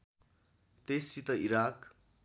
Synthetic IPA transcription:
t̪esit̪ʌiɾak

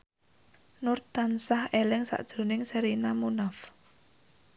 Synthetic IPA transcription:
nʊrt̪ansahelɪŋsa̰ʔd̥ʒ̥ɾo̤nɪŋsɛɾinamunaf

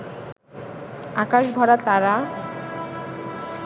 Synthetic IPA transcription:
akaʃbʱɔɾat̪aɾa

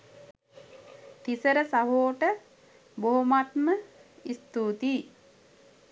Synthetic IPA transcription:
t̪isəɾəsaɦoːʈə | boɦomat̪məist̪uːt̪iː

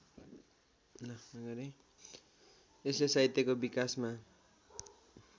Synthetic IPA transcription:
nʌʌɡʌɾi | esesajt̪ːekobikasma

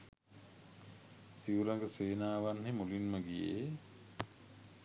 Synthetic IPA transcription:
siuɾaŋɡəseːnaːʋanhemulinməɡijḛ

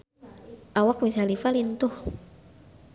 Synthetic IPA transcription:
ʔawak̚misalifalint̪ʊh

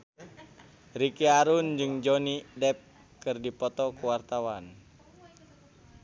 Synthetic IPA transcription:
rikiaɾund͡ʒɨŋd͡ʒɔnidɛp̚ | kɨrdipɔt̪ɔkuwart̪awan

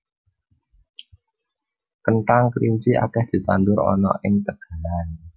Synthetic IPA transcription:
kənʈaŋkɾint͡ʃiʔa̰kɛhd̪̥i̤t̪and̪ʊɾɔ̰nɔ̰ʔɪŋt̪əɡ̥a̤lan

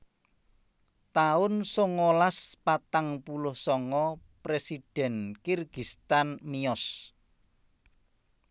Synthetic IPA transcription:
t̪aʊnsoŋolaspat̪aŋpulʊhsɔŋɔpɾesid̥ɛ̤nkirɡ̥ist̪anmiɔs

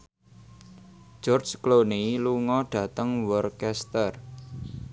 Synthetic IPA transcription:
d͡ʒɔrd͡ʒkloniluŋɔɖ̥ä̤t̪əŋwɔrkɛst̪ər

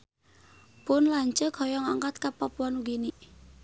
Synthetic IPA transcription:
pʊnlaɲt͡ʃəkʰɔjɔŋaŋkat̪̚kapapuanuɡiniʔ

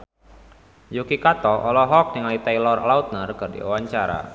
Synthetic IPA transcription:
jukikat̪ɔʔɔlɔɦɔk̚niŋalit̪ajlɔrlaut̪̚nərkərdḭṵwaɲt͡ʃaɾa̰

